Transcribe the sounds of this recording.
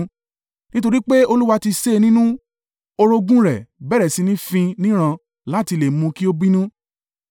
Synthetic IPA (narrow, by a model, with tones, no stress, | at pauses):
nĩ˦to˧ɾi˦k͡pe˦o˧lu˦wa˧ti˧se˦˨˧nĩ˦nũ˦ | o˧ɾo˧ɡũ˦ɾɛ˨bɛ˦˨ɾɛ˨si˨˦nĩ˦fĩ˧nĩ˦ɾ̃ã˧ | la˨˦ti˧le˨mũ˧ki˦o˦bi˦nũ˦